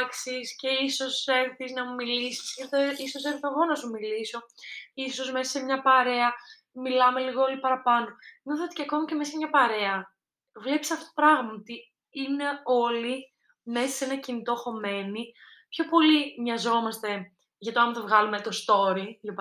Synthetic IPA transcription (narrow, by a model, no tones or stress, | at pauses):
ksisce̞iso̞seɾθiznɐmumilisi̥sɐt̪eisoseɾθɐɣo̞nɐsumiliso̞iso̞zmesɐsemɲɐpɐɾe̞ɐ | milɐme̞liɣoolipɐɾɐpɐno̞nɐθt̪iceɐko̞mɐce̞mes̬ɐmɲɐpɐɾe̞ɐ | vle̞pisɐfot̪opɾɐɣmɐot̪i | ine̞o̞li | me̞sɐsenɐcinit̪o̞xo̞me̞ni | pço̞po̞limɲɐzo̞mɐst̪e̞ | ʝɐt̪oɐmθɐvɣɐlumet̪o̞st̪o̞ɾilop